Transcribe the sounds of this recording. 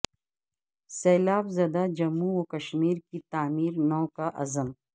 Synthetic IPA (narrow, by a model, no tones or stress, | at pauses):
seːlaːbzɐd̪ad͡ʒɐmːuokɐʃmiːɾkit̪aːmiːɾnoːkaʔɐ̰zəm